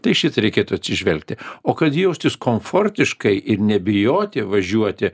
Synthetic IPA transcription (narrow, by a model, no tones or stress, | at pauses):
t̪ɐɪʃʲɪt̪ɐɾʲɛɪkʲeːt̪ʊɐt̪sʲɪʒʲʋʲɛlʲk̚t̪ʲɪoːkɐt̪jɛʊsʲt̪ʲɪskoːɱfoːrʲt̪ʲɪʃkɐɪʔɪɾnʲɛbʲɪjoːt̪ʲɪʋɐʒʲuɔt̪ʲɪ